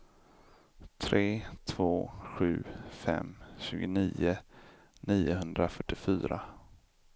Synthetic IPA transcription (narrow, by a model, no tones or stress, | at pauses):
t̪ʰɾeːt̪ʰvoːɧʉ̟ːfɛ̰mɕʉ̟ːɡʊniːʊ | niːʊɦɵnd̪ɾafœʈːɪfyːɾa